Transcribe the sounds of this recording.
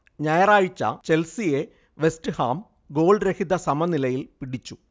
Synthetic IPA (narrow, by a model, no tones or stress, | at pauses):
ɲɐjɐraːɻit͡ɕːɐ̰t͡ɕe̞lsije̞ | ʋe̞stɨhaːm | ɡo̞ːɭɖɾehid̪ɐsɐmɐnilɐjilpiɽit͡ɕːu